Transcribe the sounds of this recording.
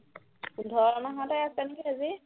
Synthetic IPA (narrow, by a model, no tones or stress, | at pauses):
dʱɔɹanaɦãtajasankiazi